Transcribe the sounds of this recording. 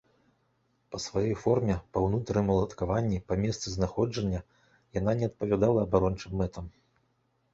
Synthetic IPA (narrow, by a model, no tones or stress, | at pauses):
pɐsvajɔjfɔrmʲɛpɐwnut̪ɾɐjmɐlˠɐt̪kavanʲːipɐmʲɛst̪sɨznaxɔd͡ʐɐnʲːɐ | jananʲɛɐt̪̚pɐvʲad̪alˠɐːbaɾɔnt͡ʂɨmːɛt̪ʰɐm